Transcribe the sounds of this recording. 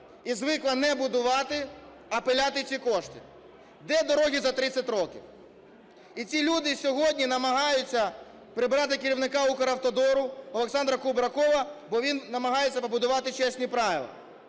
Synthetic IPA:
izʋɪklˠɐnɛbʊd̪ʊʋɑt̪ɪ | ɐpelʲat̪ɪt͡sʲikɔʃt̪ɪ | d̪ɛd̪ɔɾɔɦʲizɐt̪ɾɪt͡sʲɐtʲɾɔkʲḭw | it͡sʲilʲud̪ɪsʲɔɦɔdʲnʲinɐmɐɦɑjʊt͡sʲːɐ | pɾɪbɾɑt̪ɪkɪɾʲiwnɪkɑukɐɾɐwt̪ɔd̪ɔɾʊɔlˠeksɑnd̪ɾɐkubɾɐkɔʋɐbɔʋʲinnɐmɐɦɑjet͡sʲːɐpɐbʊd̪ʊʋɑt̪ɪt͡ʃɛsʲnʲipɾɑʋʲɪ̰lˠɐ̰

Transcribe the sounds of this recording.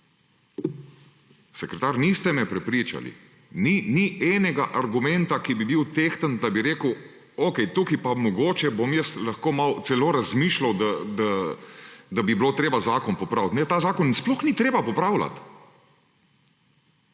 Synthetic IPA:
sɛkɾɛt̪aːɾnist̪ɛmɛpɾɛpɾiːt͡ʃa̰lḭ | niniɛːnɛɡaʔaɾɡumɛnt̪akibibiwt̪eːxt̪ənd̪abiɾeːkəw | okɛjt̪ukipamɔɡoːt͡ʃɛbomjəst̪lɐxkoːmawt̪sɛloːɾazmiːʃlawd̪ad̪a | d̪abibiloːt̪ɾeːbazaːkɔnpɔpɾawt̪nɛt̪aːzaːkɔnnsplɔxnit̪ɾeːbapɔpɾawla̰t̪

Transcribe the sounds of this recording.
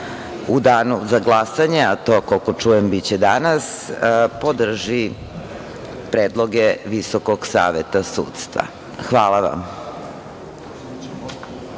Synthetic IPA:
ud̪aːnuzaɡlˠasaɲeat̪okolkot͡ʂuːjembit͡ɕed̪anaspo̞d̪r̩ʒi | pɾeːd̪lˠo̞ɡeʋisokoɡsa̰ːʋet̪asṵːt̪st̪ʋa̰ | xʋaːlˠaʋa̰m

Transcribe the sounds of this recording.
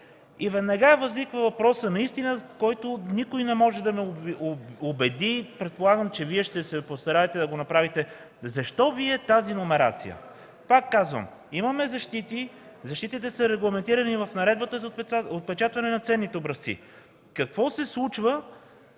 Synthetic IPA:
ivɛd̪nɐɡaɛvɐznikvəvɐpɾɔsənɐist̪inəkɔjt̪onikʊjnɛmɔʒɛd̪ɐmɛ | obɛd̪ipɾɛt̪̚polˠaɡəmt͡ʃɛviɛʃt̪ɛsɛpost̪ɐɾaɛt̪ɛd̪ɐɡonɐpɾavit̪ɛ | zɐʃt̪ɔviɛt̪azinomɛɾa̰t̪sḭjə̰ | pakːazvə̰m | imɐmɛzɐʃt̪it̪izɐʃt̪it̪it̪ɛsɐɾɛɡlˠɐmɛnt̪iɾɐnivɐfnɐɾɛd̪bət̪əzɐot̪̚pɛt͡ʃat̪vɐnɛnɐt̪sɛnːit̪ɛobɾɐsḭ | kɐkvɔsɛslˠut͡ʃvə

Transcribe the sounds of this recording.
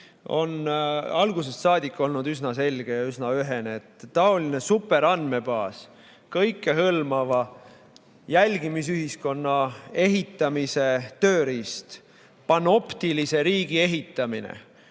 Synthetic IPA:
o̞̰nɑlɡ̥use̞st̪sɑːd̪ʲikːˑo̞lnud̪ysnɑse̞lɡ̥e̞jɑysnɑyɦe̞neet̪ːɑo̞line̞supːˑe̞ɾɑnd̪me̞b̥ɑːs | kɤjkːe̞ɦɤlmɑvɑ | jælʲɡimis̬yɦisko̞nːɑe̞ɦit̪ːˑɑmise̞t̪ø̞ːɾist̪ | pɑno̞pt̪ilise̞ɾiːɡ̥ie̞ɦit̪ːˑɑminḛ

